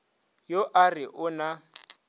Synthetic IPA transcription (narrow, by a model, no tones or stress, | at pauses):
joʔarɪʔʊna